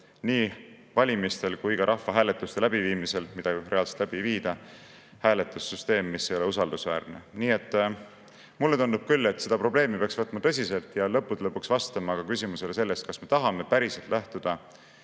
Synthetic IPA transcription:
niː | vɑlʲimist̪e̞lkujkɑɾʔɑhːɑɦæːle̞t̪ːˑust̪e̞læbiviːmise̞lmid̪̥ɑɡire̞ɑlse̥t̪læb̥iviːd̪̥ɑ | hæːle̞t̪ːˑusːyst̪e̞ːmːisːejo̞le̞usɑld̪̥usvæːrneniːe̞t̪ːˑ | mulːe̞t̪und̪ub̥̚kylːe̞t̪ːse̞d̪ɑpro̞ble̞ːmipeɑksvɤt̪ːˑmɑt̪ɤsʲise̞lt̪ˑjɑlɤ̞pːˑud̪lɤpːˑuksvɑst̪ɑmɑɡ̥ɑkysimuse̞le̞se̞lːe̞st̪̚kɑsme̞t̪ɑɦɑme̞pæɾise̞lt̪lʔæht̪ud̪̥ɑ

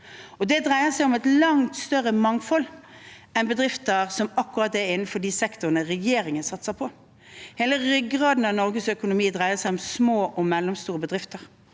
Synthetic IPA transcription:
ɔd̪ɛd̪ʁæɪəsæɪɔmɛt̪lɑŋt̪st̪œɾəmɑŋfɔl | ɛnbəd̪ɾɪft̪əʁsɔmɑkːʊʁɑt̪ːɛɾɪn̩ːfɔɖ̪iːsɛkt̪ʊɾənəɾɛjeːɾɪŋənsɑt̪səpʰɔ | heːləɾʏɡʁɑːd̪n̩ɑnɔɾɡəsœkʊnʊmiːd̪ʁæɪəsæɪɔmsmoːʔɔmɛlːɔmst̪uːɾəbəd̪ʁɪft̪əɾ

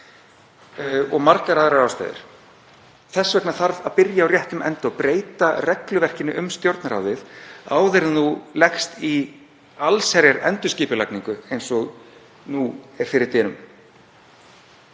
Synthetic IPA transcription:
ɔɣmaɾkaɾaðɾaɾawst̪a̰ːjðɪ̰ɾ̥ | θɛsːvɛknaθaɾvaðpɪɾjaːwrjɛht̪ʏmɛ̰nt̪ɪɔpɾeːjt̪arɛklʏvɛr̥cɪnɪʔʏmst̪jowɾt̪naɾa̰wðɪðaːwðɛɾnulɛxst̪i | alsɛɾjaɾɛ̰nt̪ʏ̥sciːpʏla̰kniŋkʏejnsɔɣ | nuɛɾ̥fɪɾɪɾt̪ɛːnʏm

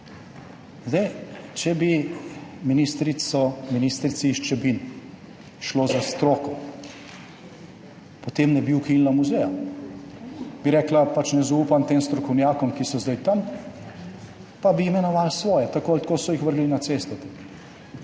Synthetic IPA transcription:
zd̪ɛjt͡ʃɛbi | minist̪ɾisɔminist̪ɾit̪siʃt͡ʃɛbin | ʃloːzast̪ɾoːkɔ | pɔt̪emnɛbiwkilnamuzɛja | biɾɛːklapat͡ʃnɛzaupant̪eːmst̪ɾɔkɔwnjaːkɔmkisɔzd̪ajt̪am | pabiːmɛnɔʋaːlsʋɔːjɛt̪akoalt̪koːsɔjixʋəɾɡlinat̪sest̪ɛt̪ɛ

